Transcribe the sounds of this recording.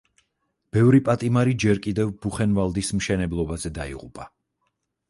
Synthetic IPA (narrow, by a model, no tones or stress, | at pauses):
b̥ɛvɾipʼat̪ʼimaɾid͡ʒɛɾkʼid̪ɛvb̥uχɛnvalˠd̪ismʃɛnɛblˠɔbazɛd̪aḭʁʼupʼa